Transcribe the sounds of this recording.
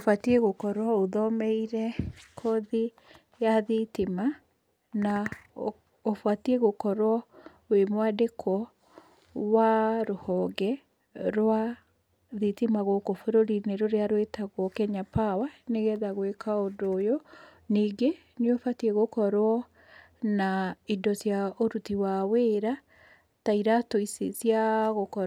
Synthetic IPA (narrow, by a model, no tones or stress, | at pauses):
ofatieɣokɔɾwɔoðɔmɛiɾɛkʰɔði | jaðitima | na | ofwatieɣokɔɾwɔ | wemwadekʰwɔ | waɾohɔɡɛ | ɾwa | ðitimaɣokofoɾoɾineɾoɾeaɾwetaɣɔkɛɲapawaneɣɛðaɣwekaodojɔ | niːɡe | nofatiɛɣokɔɾwɔ | naidɔsjaoɾutiwaweːɾa | taiɾatoisesiaɣokɔ